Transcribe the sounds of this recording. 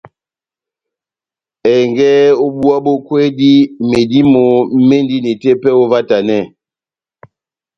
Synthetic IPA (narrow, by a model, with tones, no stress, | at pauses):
ɛ˨ŋɡɛ˦o˦bu˦a˦bo˦kwe˦di˦me˨di˦mo˨m̩˦me˦ndi˦ne˨te˦pɛ˦o˦va˦ta˨nɛ˦˨